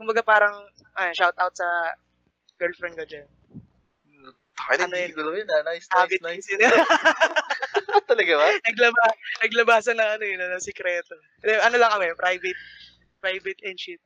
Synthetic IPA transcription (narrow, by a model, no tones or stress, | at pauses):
kʊmbɐɡapaːɾɐŋ | ʔɐʃawt̪ʔawt̪̚sɐ | ɡ̥ɛlfɾɛnd̪kod͡ʒan | t̪akɐjnɐɐnojɡʊlojnɐnajsaːbɪnjsɪnɐ | t̪ːɐlɐɡabɐnɐɡlɐbanɐɡlɐbaːsɐnːɐŋɐnojɪnɐnɐsɪkɾɛːt̪o | kd̪ɛʔɐnolɐŋʔɐmajpɾajvɛt̪̚ | pɾajvɛt̪ʔɛnʃit̪̚